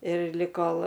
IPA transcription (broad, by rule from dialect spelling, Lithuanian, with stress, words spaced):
ɪr lʲɪk ˈkoːlˠ